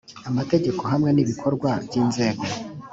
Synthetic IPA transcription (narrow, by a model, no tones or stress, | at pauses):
amate̞ɟe̞ko̞ɦamŋe̞niβikʰo̞ɾɡwabjiːnze̞ːɡo